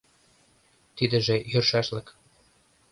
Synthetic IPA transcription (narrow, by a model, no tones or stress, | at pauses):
t̪id̪ə̆ʒĕjørʃæʃlə̆k